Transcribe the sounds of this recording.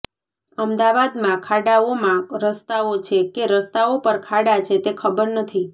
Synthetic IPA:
əmd̪aʋad̪mãkʰaɽaomãɾəst̪aot͡ʃʰekeɾəst̪aopəɾkʰaɽat͡ʃʰet̪ekʰəbəɾnət̪ʰi

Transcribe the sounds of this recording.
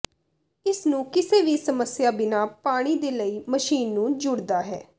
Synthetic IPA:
ɪsnũːkɪseːʋiːsəməsjaːbɪnaːpaːɽ̃iːd̪eːləiːməʃiːnːũːd͡ʒʊɽd̪aːɦɛ̰ː

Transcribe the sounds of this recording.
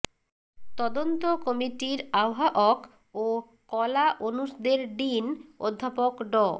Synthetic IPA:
t̪ɔd̪ont̪okɔmiʈiɾaoɦaʔɔk | o | kɔlaʔonuʃd̪eɾɖino̰d̪ʱːapokɖɔ

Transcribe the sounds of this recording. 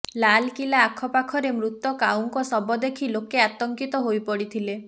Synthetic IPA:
lalkilaːkʰɔpakʰɔɾemɾut̪ːɔkawŋkɔsɔbɔd̪ekʰilokeat̪ɔŋkit̪ɔɦojpɔɽit̪ʰile

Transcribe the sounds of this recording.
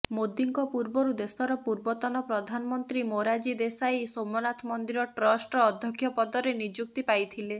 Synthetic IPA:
mod̪iŋkɔpuɾbɔɾud̪esɔɾɔpuɾbɔt̪ɔnɔpɾɔd̪ʱanɔmɔnt̪ɾimoɾad͡ʒid̪esajsomɔnat̪ʰɔmɔnd̪iɾɔʈɾɔsʈɔːd̪ʱjɔkʰjɔpɔd̪ɔɾenid͡ʒuk̚t̪ipajt̪ʰile

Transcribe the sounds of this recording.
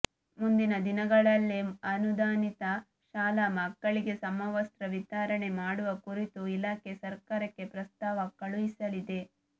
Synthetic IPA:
mund̪inɐd̪inɐɡɐɭɐlːeɐnud̪aːnit̪ɐ | ʃaːlamɐkːɐɭiɡe̞sɐmɐʋɐst̪ɾɐʋit͡ʃaːɾɐɳe̞maːɽuʋɐkuɾit̪uilaːkesɐɾkaːɾɐkːe̞pɾɐst̪aːʋɐkɐɭuʋisɐlid̪e̞

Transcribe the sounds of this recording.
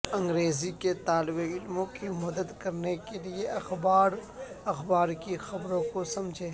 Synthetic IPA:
ɐ̃ŋɡɾeːziket̪aːlɪbeɪlmõkimɐd̪əd̪kɐɾnekelieʔɐxbaːɾ | ɐxbaːɾkixɐbɾõkosɐ̃md͡ʒʱe

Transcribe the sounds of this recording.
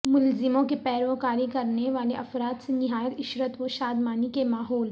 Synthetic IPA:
mʊlzɪmõkipɛːɾokaːɾikɐɾneʋaːleʔɐfɾaːt̪senɪɦaːjət̪ɪʃɾət̪ʋoʃaːd̪maːnikemaːɦɔːl

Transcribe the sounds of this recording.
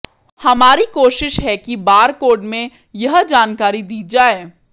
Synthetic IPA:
hɐmaːɾikoːʃɪʃɦɛkibaːɾkoːɖmẽ | jɐɦd͡ʒaːnkaːɾid̪iːd͡ʒaːeː

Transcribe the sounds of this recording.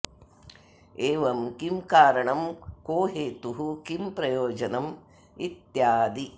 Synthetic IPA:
eːʋɐmkimkaːɾɐɳɐmkoːɦeːt̪uɦukimpɾɐjoːd͡ʒɐnɐm | it̪jaːd̪i

